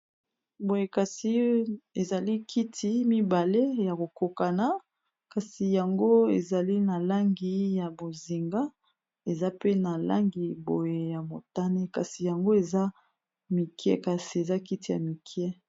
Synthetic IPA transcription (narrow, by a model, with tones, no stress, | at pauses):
bo˨je˨ka˨si˦e˨za˨li˦kʰi˦tʰi˦mi˦ba˨le˦ja˨ko˨ko˨ka˨na˨ | ka˨si˨ja˨ŋɡo˦ḛ˨za˨li˦na˨la˦ŋɡi˨ja˨bo˨zi˨ŋɡa˦ | e˨za˦pe˦na˨la̰˦ŋɡi˨bo˨je˨ja˨mo˨ta˦ne˦ka˨si˨ja˨ŋɡo˦e˨za˦ | mi˨kɛ̰˦ka˨si˨e˨za˦ki˦ti˨ja̰˨mi˨kʰjɛ˦